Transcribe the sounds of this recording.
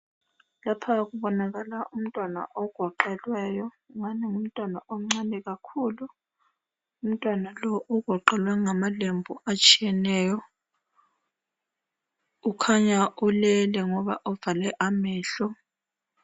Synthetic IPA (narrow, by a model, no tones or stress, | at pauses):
lapʰak̬uɓɔnak̬ʼalaʔum̩tʼwana̰ʔɔɡ̥ʱɔǃɛlwɛːjɔ | ŋaniŋum̩tʼwanaʔom̩ŋ͡ǀanɛk̬ʼakʰuːlu | um̩tʼwanalɔʔuɡ̥ʱɔǃɛlwaŋamalembʱuat͡ʃʰʼijɛnɛːjɔ | ukʰaɲaʔulɛlɛŋɔɓaʔɔv̥alɛʔamɛːɬɔ